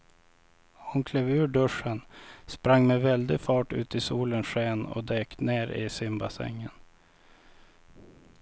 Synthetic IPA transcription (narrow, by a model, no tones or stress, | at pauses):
hʊnkʰlɛːvʉ̟ːɖɵʂənspɾaŋːmɛvɛld̪ɪɡfɑːʈʉ̟ːt̪ɪsuːlənʂeːnɔ̰d̪eːk̪neːɾɪ̰sɪmbasɛ̰ŋːən